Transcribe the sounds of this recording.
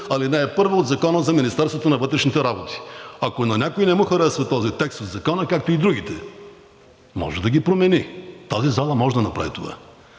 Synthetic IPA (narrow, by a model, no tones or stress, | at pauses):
ɐlinɛɛpɤɾvood̪zɐkɔnəzɐminist̪ɛɾst̪vot̪onɐvɤt̪ɾɛʃnit̪ɛɾabot̪i̥ɐkonɐnʲakoinɛmuxɐɾɛsvɐt̪ɔzit̪ɛkst̪od̪zɐkɔnəkak̚t̪oid̪ɾuɡ̟it̪ɛ̰ | mɔ̰ʒɛd̪ɐɡipɾomɛnit̪azizalˠɐmɔʒɛd̪ɐnɐpɾa̰vit̪ova̰